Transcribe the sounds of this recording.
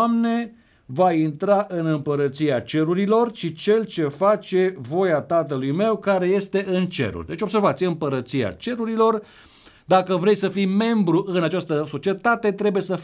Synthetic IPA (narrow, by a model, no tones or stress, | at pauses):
amne̞ | vaint̪ɾaʔɨnɨmpəɾət̪siat͡ʃe̞ɾuɾilo̞rʃit͡ʃe̞lt͡ʃe̞fat͡ʃe̞vo̞jat̪at̪əlujme̞wkaɾe̞je̞st̪e̞ʔɨnt͡ʃḛɾṵrʲd̪e̞t͡ʃʲobse̞rvat̪sijeɨmpəɾət̪sia̰t͡ʃe̞ɾuɾilo̞r | d̪akəvɾe̞jsəfijme̞mbɾuʔɨnat͡ʃast̪əso̞t͡ʃie̞t̪at̪e̞t̪ɾe̞buje̞səf